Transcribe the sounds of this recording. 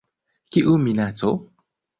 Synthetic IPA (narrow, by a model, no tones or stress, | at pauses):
kiʔuminat͡so